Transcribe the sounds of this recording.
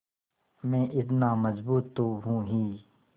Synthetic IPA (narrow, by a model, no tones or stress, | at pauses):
mɛ̃ːʔɪt̪̬naːməzbuːt̪ːoɦũːɦiː